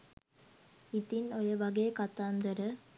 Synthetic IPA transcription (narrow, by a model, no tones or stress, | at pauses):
it̪inojəʋaɡejkat̪aːnd̪əɾə